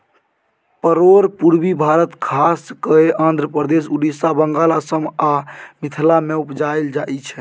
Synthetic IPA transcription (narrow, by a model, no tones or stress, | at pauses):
pəɾoɾpuɾbibʱaɾət̪kʰaskəeʔãnd̪ʱɾəpɾəd̪es̬uɖisabəŋɡalasəmamit̪ʰlameupd͡ʒajld͡ʒait͡ʃʰɛ